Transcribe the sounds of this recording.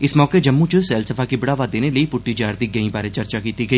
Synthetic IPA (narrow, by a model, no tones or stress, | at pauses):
ɪsmɔːked͡ʒɐmːũt͡ʃʊsɛːlsəfʰakibɪɽaːʋad̪eːneləipʊʈːid͡ʒaːɾd̪iɡɐĩbaːɾet͡ʃɐɾt͡ʃakiːt̪iɡɐiː